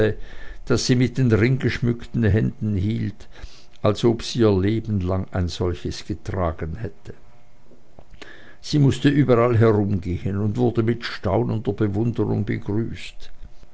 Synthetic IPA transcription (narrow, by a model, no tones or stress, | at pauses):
əd̥asz̥iːmɪt̚d̥eːnʁɪŋɡəʃmʏktn̩ɦɛndn̩hiːlt | ʔalzʔoːpsiːiːɐleːbn̩laŋaɪnz̥ɔlçəsɡ̥ətʁ̥aːɡ̥ənhɛtə | z̥iːmʊstəʔyːbɐʁalɦɛʁʊmɡeːənʊndv̥ʊɐdəmɪtʃtaʊnənd̥ɐbəvʊndəʁʊ̰ŋbə̰ɡʁyːst